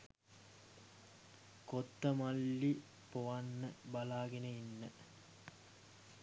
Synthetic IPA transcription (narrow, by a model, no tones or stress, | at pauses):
kot̪ːəmalːi | poʋanːəbalaːɡenəinːə